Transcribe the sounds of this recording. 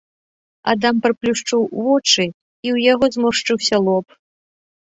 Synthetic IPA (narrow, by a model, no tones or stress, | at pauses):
a̰d̪ampɾɨplʲuʂt͡ʂuwvɔt͡ʂɨ | iwjaɣɔzmɔʂt͡ʂɨwsʲɐlˠɔp